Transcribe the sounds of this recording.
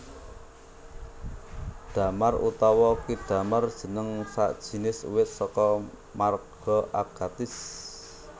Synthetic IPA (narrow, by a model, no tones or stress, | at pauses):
d̪̥a̤marṵt̪ɔwɔkid̪̥ä̤mard̥ʒ̥ə̤nəŋsa̰ʔd̥ʒ̥i̤nɪsṵwɪt̪̚sɔkɔ | marɡ̥ɔ̤ʔaɡ̥at̪ɪs